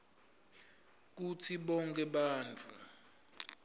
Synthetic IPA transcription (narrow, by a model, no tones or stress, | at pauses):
k̬utʰiɓɔŋk̬ʰʼɛɓaːnt͡fʰʼu